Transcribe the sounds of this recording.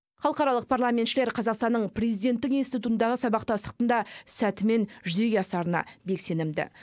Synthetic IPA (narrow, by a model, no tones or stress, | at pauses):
χɑlˠəqɑɾɑlˠəq̚pʰarlˠamʲet̪ʃɪle̞ɾqʰɑzɑqst̪ɑnːəɴprʲezijd̪e̞nt̪ːɪkinst̪it̪ut̪ənd̪ɑʁəsɑbɑqt̪ɑst̪ə̥q̚t̪ənd̪ɑsæt̪ɪme̞nʒʏze̞ɡʲeɑsɑɾənɑ̰be̞kse̞nɪmd̪ɪ̰